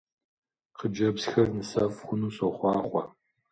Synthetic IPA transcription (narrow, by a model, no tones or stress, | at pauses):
qəd͡ʒɐbsxɐrnɨsɐfxʷʊnuːsoχʷɑːχʷɔ